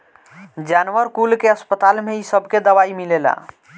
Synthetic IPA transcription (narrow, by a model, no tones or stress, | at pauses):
d͡ʒanwəɾkulkeəspət̪almeisəbʱked̪əbaimilela̰